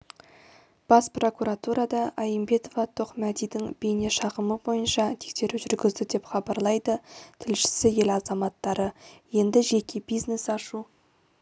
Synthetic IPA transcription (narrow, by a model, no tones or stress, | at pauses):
b̥ɑspro̞kuɾat̪uɾɑd̪ɑɑjimbe̞t̪o̞vɑt̪ʰo̞χmæd̪ijd̪ɪŋb̥ejne̞ʃɑʁəməbo̞jənʃɑt̪ʰe̥kse̞ɾuʒʏɾɡʲɪzd̪ɪd̪e̞pχɑbɑɾlˠɑjd̪ət̪ʰɪlʃɪ̥sɪje̞lɑzɑmɑt̪ːɑɾəje̞nd̪ɪʒe̞kʲʰe̞bijzne̞sɑʃu